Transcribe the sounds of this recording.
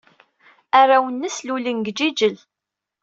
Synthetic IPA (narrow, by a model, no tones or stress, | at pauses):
arˤawənːəslulənɡd͡ʒid͡ʒəl